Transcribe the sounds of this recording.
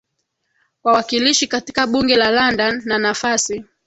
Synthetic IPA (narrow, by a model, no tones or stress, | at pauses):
kwawakiliʃikati̥kaɓuŋɡɛlalandanːanafasi